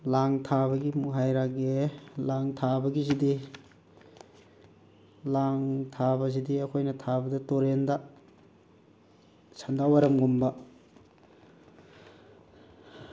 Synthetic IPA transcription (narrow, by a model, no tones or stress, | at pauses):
laŋtʰaβɐɡimuɦajɾaɡelaŋtʰabɐɡizidi | laŋtʰabɐz̬idiɐkʰojnɐtʰabɐdɐtoɾendɐ | sandawɐɾɐmɡumbɐ